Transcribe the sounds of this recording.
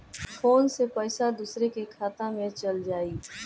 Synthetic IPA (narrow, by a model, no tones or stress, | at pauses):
foːnsepɛːsad̪uːsɾekekʰaːt̪ãmẽt͡ʃɐld͡ʒaːiː